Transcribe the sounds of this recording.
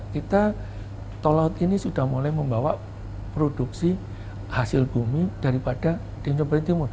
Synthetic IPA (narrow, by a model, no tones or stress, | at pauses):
kit̪a | t̪olat̪inisud̥ahmulajməmbawa | pɾod̥uksi | hasɪlb̥umid̥aɾipad̥a | d̥emsɔpəɾint̪imu